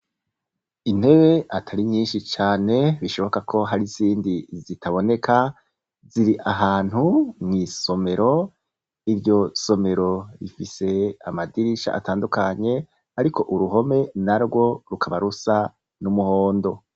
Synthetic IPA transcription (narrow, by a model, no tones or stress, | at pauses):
in̥he̞we̞ʔatʰaɾiɲiːnʃit͡ʃaːne̞βiʃo̞βo̞kakʰo̞ɦaɾiziːndizitʰaβo̞ne̞kʰa | ziɾiʔaɦaːn̥humŋiːso̞me̞ɾo̞ | iɾjo̞so̞me̞ɾo̞ɾifise̞amadiɾiʃa̰ʔa̰taːndukaɲe̞ | aɾikʰo̞ʔuɾuɦo̞me̞naɾɡwo̞ɾukʰaβaɾusa | numuhoːndo̞